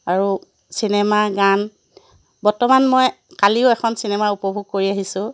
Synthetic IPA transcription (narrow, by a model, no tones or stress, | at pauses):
aɹu | sinɛmaɡan | bɔɹtɔmanmoj | kaliʊɛxʰɔnsinɛmaupɔbʱuɡ̚koɹiaɦisʊ̃